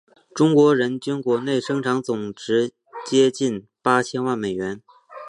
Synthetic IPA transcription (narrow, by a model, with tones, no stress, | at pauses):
ʈ͡ʂʊ˥ŋkwɔ˧˥ɻə˧˥nt͡ɕy˥nkwɔ˧˥ne˥˩ɪʂɤ˥ŋʈ͡ʂʰɑ˧˥ŋt͡sʊ˨˩ŋʈ͡ʂɻ̩˧˥ | t͡ɕjɛ˥t͡ɕi˥˩npa˥t͡ɕʰjɛ˥nwa˥˩nme˨˩ɪɥɛ˧˥n